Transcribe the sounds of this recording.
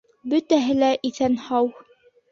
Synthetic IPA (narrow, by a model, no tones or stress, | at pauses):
bɵt̪æɦɘ̆læʔiθænhɑw